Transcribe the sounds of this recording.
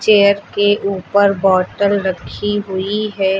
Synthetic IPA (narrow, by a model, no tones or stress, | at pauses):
t͡ʃeːjəɾkeʔuːpəɾbɔːʈəlɾɐkʰiɦʊiɦɛː